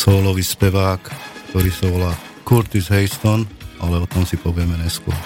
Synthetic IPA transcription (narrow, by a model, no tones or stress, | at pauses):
sɔːlɔʋiːspɛʋaːkkt̪ɔɾiːsaʋɔlaː | kuɾt̪izɦɛɪst̪ɔnʔalɛɔt̪ɔmsipɔʋɪɛmɛɲɛskʊɔ̰ɾ